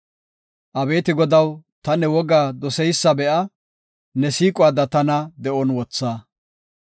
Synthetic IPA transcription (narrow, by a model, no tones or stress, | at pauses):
ʔɐbe̞ːt̪ɪɡɔd̪ɐwt̪ɐnɛwɔɡaːd̪ɔsɛjsːɐbɛʔɐ | nɛsiːkʼʊaːd̪ɐt̪ɐnɐd̪ɛʔɔnwɔt͡sːaː